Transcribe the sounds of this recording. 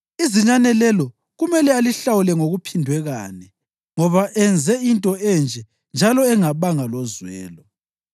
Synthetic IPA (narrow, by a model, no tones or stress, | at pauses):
iziɲanɛlɛlɔ | ɣumɛlɛaliɬawulɛŋoɣupʰindʱwɛɣa̰nɛ | ŋɔβaʔɛnd͡zʱɛintʼɔɛnd͡ʒʱɛ | nd͡ʒʱalɔɛŋaβaŋalɔzwɛ̰ːlɔ